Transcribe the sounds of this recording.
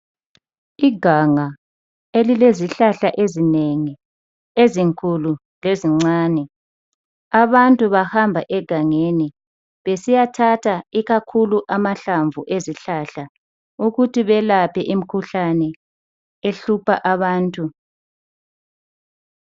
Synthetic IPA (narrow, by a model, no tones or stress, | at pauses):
iɡʱaŋa | elileziɬaɬaʔezineŋi | eziŋkʰulu | leziŋ͡ǀaːnɛ | aβantʼuβahambʱaʔɛɡ̥ʱaŋeni | βesijatʰatʰaiɣakʰuluʔamaɬaɱvuʔeziɬaɬa | uɣutʰiβɛlapʰɛʔim̩kʰuɬanɛ | eɬupʰaʔaβaːntʼu